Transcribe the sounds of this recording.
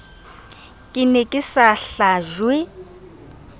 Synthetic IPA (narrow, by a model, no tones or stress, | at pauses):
kʼɪnɛkʼɪsaɬaʒwɪ